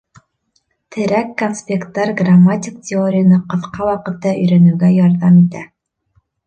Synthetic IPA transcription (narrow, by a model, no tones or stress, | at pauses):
t̪ʰɘ̆ɾækːonspʲekt̪ːɑɾɡramːatʲɪk̚tʲɪoɾʲɪjənɤqɤ̆θqɑwɑqɤ̆t̪ːɑɵ̆jɾænʉ̆ɡæjɑɾðɑmit̪æ̰